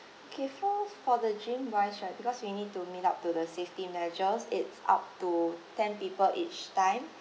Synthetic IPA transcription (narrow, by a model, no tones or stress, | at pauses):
okʰɛfufɔdəd͡ʒĩmwaɪʃɔt̚bikɔswinid̚tumitap̚tudəseftimɛd͡ʒəsɪtsa̰p̚tutɛ̃npipəlʔit͡ʃtãɪ̃m